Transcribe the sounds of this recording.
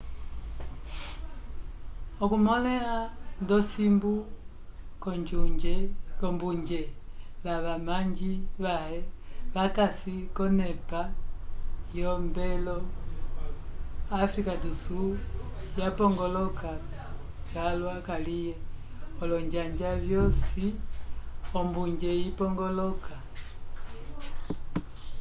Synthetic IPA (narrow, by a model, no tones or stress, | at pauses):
ɔkumɔlɛandɔsimbu | kɔɲd͡ʒuɲd͡ʒɛkɔmbuɲd͡ʒɛlaβamaɲd͡ʒiβahɛβakasikɔnɛpa | jɔmbɛlɔ | afɾikadusu | japɔŋɡɔlɔka | talwakalijɛ | ɔlɔɲd͡ʒaɲd͡ʒavjɔsi | ɔmbuɲd͡ʒɛipɔŋɡɔlɔka